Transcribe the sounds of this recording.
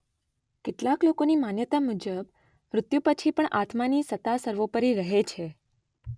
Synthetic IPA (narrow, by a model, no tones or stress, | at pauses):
kɪʈlaklokonimanjət̪amud͡ʒəb | ɾʊt̪jũpət͡ʃʰipəɳʔat̪ʰmanisət̪asəɾʋopəɾiɾəɦet͡ʃʰe